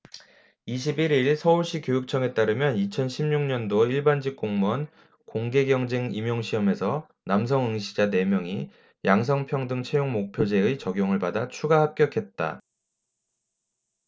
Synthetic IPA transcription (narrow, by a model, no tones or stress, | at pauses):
iɕ̬ʰibiɾiɭsʰʌuɭɕ͈ikjojuk̚t͡ɕʰʌŋe̞t͈aɾɯmjʌnit͡ɕʰʌnɕʰimɲuŋɲʌndoiɭband͡ʑik̚k͈oŋmʌn | koŋɡe̞ɡjʌŋd͡ʑeŋimjʌŋɕʰiʌme̞sʰʌ | nams̬ʰʌŋɯŋɕʰid͡ʑane̞mjʌŋi | jaŋs̬ʰʌŋpʰjʌŋdɯŋt͡ɕʰe̞joŋmok̚pʰjod͡ʑe̞ɯt͡ɕʌɡjoŋɯɭbadat͡ɕʰuɡahap̚k͈jʌkʰe̞t̚t͈a̰